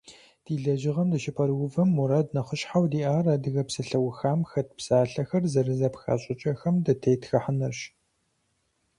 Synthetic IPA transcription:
d̥iːɮɐʒɪʁɐmdɨʃɪpʰɐɾwʊvɨmuɾadnɐχəʃħawdiːʔaːrɐdɨɣɐpsɐɬɐwʊxaːmxɐt̚ʰpsaːɬɐxɐrzɐrɨzɐpxa̰ːɕʼɪt͡ʃʼɐxɐmdɐtʰejtxɐħənɐrɕ

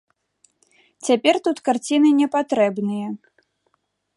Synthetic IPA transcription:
t͡sʲapʲɛrt̪ut̪kart͡sʲinɨnʲɛpat̪ɾɛbnɨjɐ

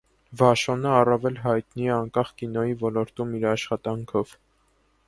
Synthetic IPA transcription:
vɑʃɔnəɑrɑvɛlɦɑjt̪niɛɑŋkɑχkinɔjivɔlɔɾt̪umiɾɑʃχɑt̪ɑŋkʰɔv

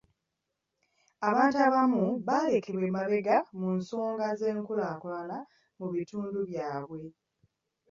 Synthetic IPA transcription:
aβaːntuaβamuβaːle̞kʰe̞βwe̞ːmaβe̞ɡamunso̞ːŋɡaze̞ːŋkulaːkulana | muβituːnduβjaːβwe̞

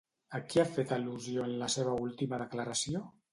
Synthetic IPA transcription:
akiafet̪əluzioenlaseβ̞əulˠt̪iməðəklaɾasio

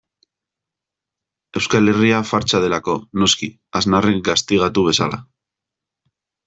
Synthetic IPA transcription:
e̞wskale̞riafaɾt͡ʃað̞e̞lako̞no̞ski | aznarek̚ɡast̪iɣ̞at̪uβ̞e̞sala̰

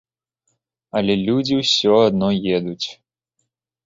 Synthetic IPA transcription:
ɐlʲɛlʲud͡zʲiwsʲɔad̪nɔjɛd̪ut͡sʲ

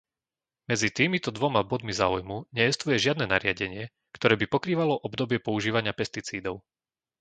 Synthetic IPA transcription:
mɛd͡zit̪iːmit̪ɔd̪ʋɔmabɔd̪mizaːujmuɲɛjɛst̪ujɛʒɪad̪nɛːnaɾɪaɟɛɲɪɛ | kt̪ɔɾɛːbipɔkɾiːʋalɔʔɔbd̪ɔbɪɛpɔuʒiːʋaɲɪapɛst̪it͡siːd̪ɔʊ

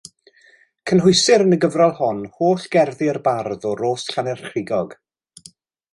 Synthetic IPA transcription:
kʰənɦʊɨsɪɾənəɡəvralˠhɔnhoːɬɡ̥ɛrðɪərbarðɔɾoːsɬanɛrχrɪɡɔɡ̥

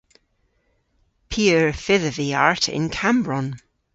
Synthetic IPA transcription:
pʰiəɹfɪðəviaɹtʰɪ̰̃nkʰãmbɹɔ̃n

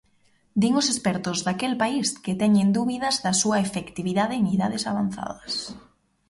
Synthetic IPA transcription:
d̪iŋʊsespɛɾt̪ʊzðakelpaisket̪ɛɲend̪uβiðɐzðɐsuɐefekt̪iβiðaðeniðaðesaβan̟θa̰ðɐs

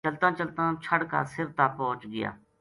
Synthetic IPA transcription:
t͡ʃəlt̪ãːt͡ʃəlt̪ãːt͡ʃʰəɽka̰ːsɪɾt̪aːpɔ̃ːt͡ʃɡɪja̰ː

